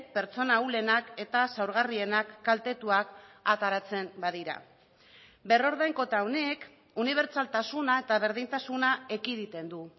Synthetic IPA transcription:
pe̞ɾt͡so̞naule̞nake̞t̪asawɾɣ̞arie̞nakːalt̪e̞t̪uakat̪aɾat͡se̞mbaðiɾa̰ | be̞ro̞ɾðajŋko̞t̪awne̞k | uniβ̞e̞ɾt͡salt̪asunae̞t̪aβ̞e̞ɾðint̪asunaekiðit̪e̞nd̪u

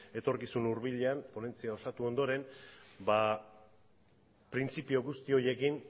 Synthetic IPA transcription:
e̞t̪o̞ɾkisunuɾβiʎeampo̞ne̞nt͡siao̞sat̪uo̞nd̪o̞ɾe̞nba | pɾint͡sipio̞ɣust̪io̞je̞kin

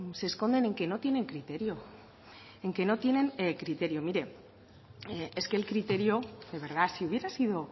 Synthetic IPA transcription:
sesko̞nd̪e̞ne̞ŋke̞no̞t̪je̞ne̞ŋkɾit̪e̞ɾjo | eŋke̞no̞t̪je̞nẽ̞ŋkɾit̪e̞ɾjo̞miɾe̞ | ee̞ske̞ːlkɾit̪e̞ɾjo̞ðe̞β̞e̞ɾð̞asiuβ̞je̞ɾasiðo̞

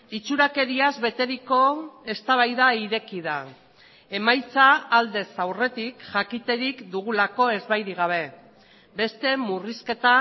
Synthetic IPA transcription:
it͡suɾake̞ɾiazβe̞t̪e̞ɾiko̞e̞st̪aβ̞ajðaiɾe̞kiða | e̞majt͡saːld̪e̞sawre̞t̪ikʝakit̪e̞ɾikd̪uɣ̞ulako̞e̞zβajɾiɣ̞aβ̞e̞ | be̞st̪e̞muriske̞t̪a

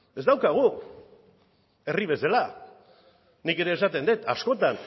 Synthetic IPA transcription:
e̞zd̪awkaɣ̞u | e̞riβe̞sela | nike̞ɾe̞ːsat̪e̞nd̪et̪a̰sko̞t̪an

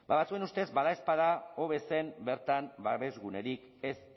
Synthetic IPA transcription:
baβat͡sue̞nust̪e̞zbaðaespaðao̞β̞e̞se̞mbe̞ɾt̪ambaβe̞zɣune̞ɾik | e̞s

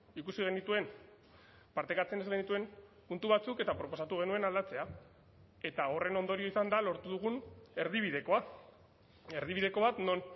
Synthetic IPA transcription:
ikusiɣe̞nit̪ue̞n | paɾt̪ekat͡se̞ne̞zɣe̞nit̪ue̞mpunt̪uβat͡suke̞t̪apɾo̞po̞sat̪uɣ̞e̞nue̞nald̪at͡se̞a | e̞t̪ao̞re̞no̞nd̪o̞ɾio̞isand̪alo̞ɾt̪uð̞uɣ̞une̞ɾð̞iβ̞ið̞e̞ko̞a | e̞ɾðiβiðe̞ko̞βat̪no̞n

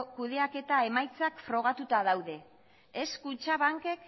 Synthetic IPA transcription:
kuðe̞ake̞t̪ae̞majt͡sakfɾo̞ɣ̞at̪ut̪aðawðe̞ː | skut͡ʃaβaŋke̞k

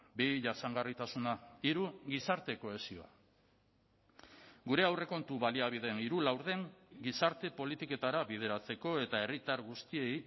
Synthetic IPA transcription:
biʝasaŋɡarit̪asunaiɾuɣisaɾt̪e̞ko̞e̞sio̞a̰ | ɡuɾe̞awre̞ko̞nt̪uβaliaβ̞ið̞e̞niɾulawɾðe̞ŋɡisaɾt̪e̞po̞lit̪ike̞t̪aɾaβið̞e̞ɾat͡se̞ko̞e̞t̪ae̞rit̪aɾɣust̪ie̞j

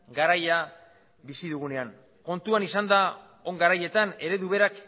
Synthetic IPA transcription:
ɡaɾaja | βisiðuɣ̞une̞aŋ | ko̞nt̪uanisand̪a | o̞ŋɡaɾaje̞t̪ane̞ɾe̞ðuβe̞ɾak

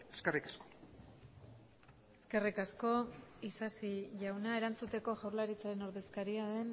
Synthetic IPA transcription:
eskerikasko | eske̞rikasko̞isasiʝawnae̞ɾant͡sut̪e̞ko̞ʝawɾlaɾit͡saɾe̞no̞ɾðe̞skaɾiaðe̞n

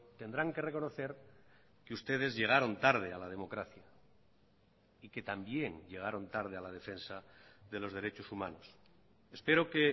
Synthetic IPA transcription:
t̪e̞nd̪ɾaŋke̞re̞ko̞noθe̞ɾ | keust̪e̞ð̞e̞zʝe̞ɣ̞aɾo̞nt̪aɾð̞ealað̞e̞mo̞kɾaθja | ike̞t̪ambje̞ŋʎe̞ɣ̞aɾo̞nt̪aɾð̞ealað̞e̞fe̞nsa | ðe̞lo̞zðe̞ɾet͡ʃosumã̰nos | espe̞ɾo̞ke

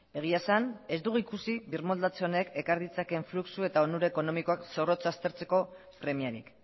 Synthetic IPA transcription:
e̞ɣ̞iasane̞zd̪uɣuikusiβiɾmo̞ld̪at͡seo̞ne̞ke̞kaɾðit͡sake̞ɱfluksue̞t̪aonuɾeeko̞no̞miko̞akso̞ro̞t͡sast̪e̞ɾt͡se̞ko̞ | pɾe̞miaɾḭk

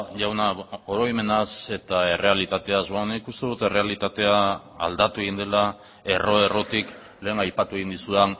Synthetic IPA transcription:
ʝawnaoɾo̞jme̞nase̞t̪ae̞re̞alit̪at̪e̞azonikust̪e̞ðut̪e̞re̞alit̪at̪e̞a̰ː | ld̪at̪ue̞ɣind̪e̞la | e̞ro̞e̞ro̞t̪ik | le̞ːŋajpat̪ue̞ɣind̪isuan

